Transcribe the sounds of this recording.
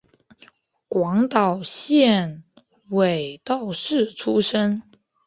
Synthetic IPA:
kwɑ˧˥ŋt̪ɑ˨˩ʊɕjɛ˥˩n | we˨˩ɪt̪ɑ˥˩ʊʂɻ̩˥˩ʈ͡ʂʰu˥ʂə˥ŋ

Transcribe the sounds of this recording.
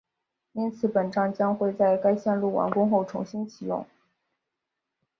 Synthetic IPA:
i˥nt͡sʰɹ̩˧˩˥pə˨˩nʈ͡ʂɑ˥ŋt͡ɕjɑ˥ŋxwe˥˧ɪt͡sa˥˩ɪka˥ɪɕjɛ˥˧nlu˥˩wɑ̰˧˥nkʊ˥ŋxo˥˩ʊʈ͡ʂʰʊ̰˧˥ŋɕi˥nt͡ɕʰi˨˩jʊ̰˥˩ŋ

